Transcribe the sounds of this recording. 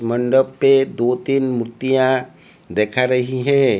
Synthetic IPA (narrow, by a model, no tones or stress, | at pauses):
mə̃ɳɖəbped̪ot̪iːnmʊɾt̪ijã | d̪eːkʰaɾɐɦiɦɛ̃